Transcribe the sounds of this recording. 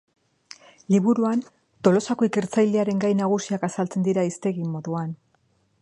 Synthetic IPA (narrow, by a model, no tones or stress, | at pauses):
liβuɾuan | t̪o̞lo̞sako̞ike̞ɾt͡sajleaɾe̞ŋɡajnaɣ̞usiakasalt͡se̞nd̪iɾaist̪e̞ɣimo̞ðuan